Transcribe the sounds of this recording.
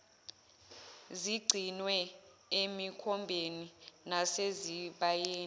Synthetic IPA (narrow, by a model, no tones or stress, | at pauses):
ziɡ͡ǀʱinwɛ | emikʰɔmbʱeninaseziɓajeːn